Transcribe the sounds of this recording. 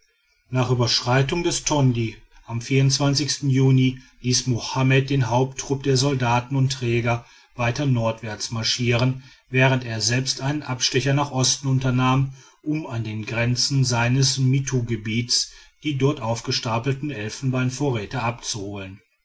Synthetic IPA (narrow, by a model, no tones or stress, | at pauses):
naːχʔyːbɐʃʁ̥aɪtʊŋdɛstʰɔndi | ʔamfiːɐʊntt͡sv̥ant͡sɪçstn̩juːniliːsmohamɛt̚d̥eːnɦaʊp̚tʰːʁ̥ʊp̚d̥eːɐzɔldaːtn̩ʊntːʁ̥ɛːɡɐ | vaɪtɐnɔɐtv̥ɛɐt͡smaɐʃiːʁən | vɛːʁ̞ənteːɐzɛlpstʔaɪnənʔapʃtɛçɐnaːχʔɔstn̩ʊntɐnaːm | ʔʊmandeːnɡʁɛnt͡sn̩zaɪnəsmitʰuɡəbiːtsd̥iːdɔɐtʔaʊfɡ̥əʃtaːpl̩tn̩ɛlfn̩baɪnfoːɐʁɛːtəʔapt͡suhoːlən